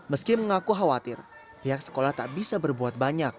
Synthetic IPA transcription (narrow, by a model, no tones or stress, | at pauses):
məskɪməŋakuɦawat̪ɪ̰r | hiak̚sə̥kolaht̪aʔbisabərbuat̪̚baɲak̚